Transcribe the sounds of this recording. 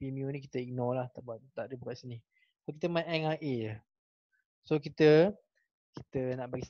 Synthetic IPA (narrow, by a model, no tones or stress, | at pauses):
pimiunĩkit̪əik̚nɔlaht̪aʔbaʔt̪aʔdəbukaʔsini | sokit̪əmãɛŋaʔe | sokit̪ə | ki̥t̪ənaʔbaɡis